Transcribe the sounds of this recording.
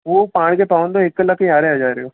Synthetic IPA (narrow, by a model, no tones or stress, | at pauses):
ʋoːpaːɽ̃kepaːʋə̃nd̪oɪkːələkʰiaːɾead͡ʒaːɾɪjoː